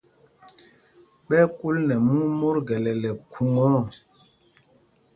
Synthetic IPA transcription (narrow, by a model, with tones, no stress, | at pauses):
ɓɛ˦ku˦lnɛ˨mu˦ŋmo˦ɾɡɛ˨lɛ˨lɛ˨kʰu˨ŋɔ˦˨